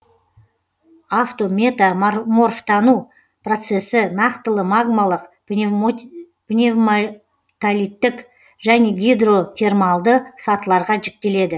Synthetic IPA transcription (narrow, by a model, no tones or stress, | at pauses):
aft̪o̞mʲe̞t̪amamo̞rft̪ʰɑnu | prot̪se̞sɪnɑqt̪əlˠəmaɡmalˠəq | pnʲevm | t̪alijt̪ːɪk | ʒæne̞ɡʲid̪ro̞t̪ʲʰe̞rmɑlˠd̪əsɑt̪əlˠɑɾʁɑʒɪk̚t̪e̞le̞d̪ɪ